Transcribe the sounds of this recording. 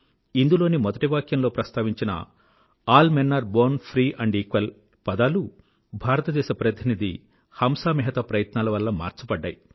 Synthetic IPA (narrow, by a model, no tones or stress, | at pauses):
ind̪ulo̞ːnimɔd̪ɐʈiʋaːkjɐmlo̞ːpɾɐst̪ʰaːʋiɲt͡ʃinɐ̰ | aːlmenːɐɾboːnpʰɾiːʔɐɳɖiːkʋɐl | pɐd̪aːlu | bʱaːɾɐt̪ɐd̪ɛːʃɐpɐɾɐt̪ʰinid̪i | hɐmsaːmiɦɐt̪ɐpɾɐjɐt̪naːlɐʋɐlːɐma̰ːɾt͡ʃupɐɖːa̰ːji